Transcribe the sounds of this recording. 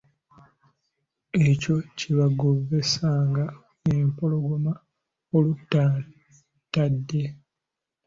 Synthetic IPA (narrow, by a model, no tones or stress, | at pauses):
e̞co̞ciβaɡovːe̞saːŋɡa | empo̞lo̞ɡoma | olutːa | tːadːe̞